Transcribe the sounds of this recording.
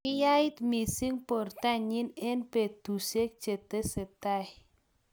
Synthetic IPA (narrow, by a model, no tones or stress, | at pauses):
ijait̪misiŋpɔrt̪aɲinɪnped̪̥usek̚d͡ʒ̥et̪esət̪a